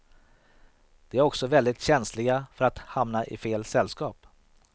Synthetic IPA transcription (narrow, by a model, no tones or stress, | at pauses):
d̪̥ɛæɾɔksɔvɛld̪ɪt̪ɕɛnslɪɡafœɾat̪hamnaʔɪfeːlsɛlːskɑːp